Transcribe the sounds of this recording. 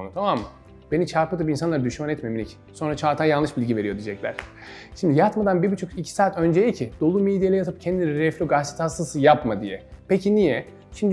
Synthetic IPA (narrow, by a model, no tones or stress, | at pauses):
nut̪ʰamamː | b̥e̞nit͡ʃʰaɾpɯd̪ɯpinsanlˠaɾd̪yʃmanɛt̪memilʲic | so̞nɾat͡ʃʰaːɾt̪ʰaːjallˠɯʃbilʲɟive̞ɾijo̞d̪id͡ʒɛclʲæ̰ɾ̥ | ʃimd̪ijat̪mad̪anbibit͡ʃʰokicʰi̥saːt̪ʰø̞nd͡ʒejɛcʰid̪̥o̞lˠumed̪ijelʲɛjat̪ʰapcʰɛnd̪inɾɛflʲoɡasi̥t̪ʰasɯsɯjapmad̪ijɛ̰pʰecinijɛ | ʃimd̪